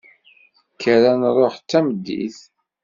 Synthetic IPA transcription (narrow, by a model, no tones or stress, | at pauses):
kːəɾænɾˤoħt͡sːæməd̪ːḭθ